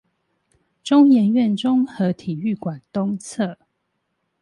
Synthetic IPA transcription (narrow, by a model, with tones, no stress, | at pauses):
ʈ͡ʂʊ˥˦ŋjɛ˧˦nɥɛ˥˨nʈ͡ʂʊ˦ŋxɤ˨˦t̪ʰi˨˩y˥˨˩kwa˨˩nt̪ʊ˦ŋt͡sʰɤ˥˨